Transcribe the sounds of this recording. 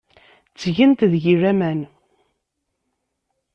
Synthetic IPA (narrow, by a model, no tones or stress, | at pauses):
t͡sːʝənt̪ðʝiræmæn